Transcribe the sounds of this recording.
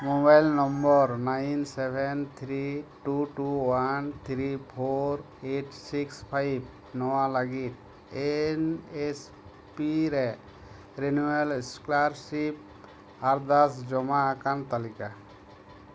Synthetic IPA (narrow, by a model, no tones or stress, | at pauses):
mobajlnɔmbɔɾnajnsebʱent̪ʰɾiʈuʈuwant̪ʰɾipʰoɾ | eʈsikspʰajb | nɔwalaɡit̪̚ | enes | piɾɛ | ɾenuelsklaɾsip̚ | aɾd̪asd͡ʒɔmaːkant̪alika